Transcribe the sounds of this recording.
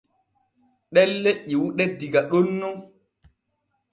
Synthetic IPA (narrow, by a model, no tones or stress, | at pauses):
ɗɛlːeʔːiwuɗɛdiɡaɗonːɔ